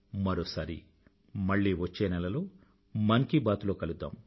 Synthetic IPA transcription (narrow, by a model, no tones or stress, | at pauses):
mɐɾoːsaːɾḭ | mɐɭːiːʋɐt͡ʃːeːnɛlɐloː | mɐŋkibaːt̪uloːkɐlud̪ːa̰ːm